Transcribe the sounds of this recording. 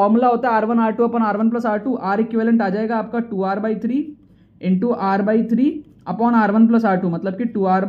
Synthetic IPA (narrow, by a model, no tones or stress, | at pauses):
ɾmulaɐwt̪eaːɾʋɐnaːʈuɐpɔːnaːɾʋɐnplɐsaːʈuʔaːɾikːiʋelɐɳʈɐd͡ʒaːjɡaːp̚kaʈuːaːɾbɐjt̪ʰɾiː | eɳʈuʔaːɾbɐjt̪ʰɾiː | ɐpaːnaːɾʋɐnp̬lɐs̬aːʈumɐt̪lɐbkiʈuːaːɾb